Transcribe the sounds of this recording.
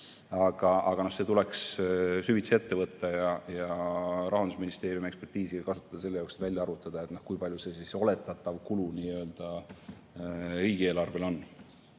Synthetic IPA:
ɑɡ̥ɑʔɑɡ̥ɑno̞hse̞ːt̪ule̞kssyvit̪see̞t̪ːe̞vɤt̪ːɑjɑjɑɾɑɦɑnd̪usminist̪e̞ːɾijumiekspe̞rt̪iːsikɑsu̥t̪ˑːɑd̪ɑse̞lːejɑowkse̥t̪vælʲjɑɑɾut̪ːˑɑd̪̥ɑe̞t̪no̞hkujpɑlʲjuse̞siso̞le̞t̪ːˑɑt̪ːˑɑvkuluniːøːld̪̥ɑ | ɾiːɡ̥ie̞ːlɑrve̞lo̞nː

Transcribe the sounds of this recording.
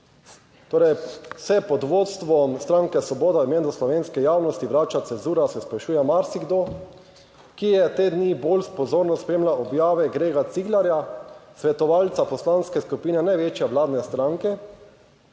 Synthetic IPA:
t̪oːɾɛjsɛpɔd̪ʋoːt̪st̪ʋɔst̪ɾaŋkɛsʋɔboːd̪aimeːnɔslɔʋeːnskɛjaːwnɔst̪iʋɾaːt͡ʃat̪sɛnzuːɾasɛspɾaʃuːjɛmaɾsiɡd̪o | kijɛt̪eːd̪nibolspɔzoːɾnɔspɾeːmlaʔɔbjaːʋɛɡɾeːɡat̪siɡlaɾjasʋɛt̪ɔʋaːlt̪sapɔslanskɛskupiːnɛnajʋeːt͡ʃjɛʋlaːd̪nɛst̪ɾaŋkɛ

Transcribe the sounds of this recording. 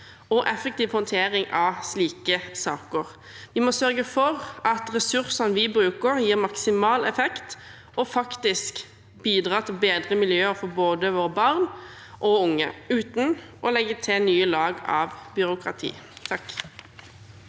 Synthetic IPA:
ɔʔɛfək̚t̪iːʋhɔnt̪ʰeːʁɪŋɑsliːkəsɑːkəʁ | ʋɪmɔsœʁɡəfɔʁɑt̪ʁɛsʉʁsɑnʋɪbɾʉːkəʁjiːʁmɑksɪmɑːlɛfɛkt̪ | ɔfɑkt̪ɪsk | biːd̪ʁɑːt̪ʰɪlbeːd̪ʁəmɪljøːəɾfɔboːd̪əʋoːʁəbɑʁn | ʔɔʊŋːə̰ʉːt̪n̩ʔɔlɛɡːət̪ʰɪnyːəlɑːɡɑ̰ːʋbʏɾʊkʁɑ̰t̪ʰḭːt̪ʰɑk

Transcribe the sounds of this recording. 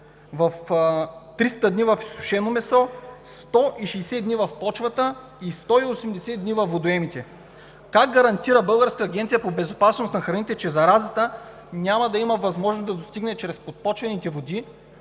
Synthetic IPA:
vɐf | t̪ɾist̪əd̪nivɐfi̥sʊ̥ʃɛnomɛsɔst̪ɔʔiʃijsɛd̪nivɐfpɔt͡ʃvət̪ə | ist̪ɔiosɛmd̪ɛsɛd̪nivɐfvod̪oɛmit̪ɛ | kaɡ̚ɡɐɾɐnt̪iɾəbɤlˠɡəɾskːɡʲɛnt̪sijəpobɛzopasnost̪nɐxɾɐnit̪ɛt͡ʃɛzɐɾazət̪ə | nʲamɐd̪ɐiməvɐzmɔʒnosd̪ɐd̪ost̪iɡnɛt͡ʃɾɛspot̪̚pɔt͡ʃvɐnit̪ɛvod̪i

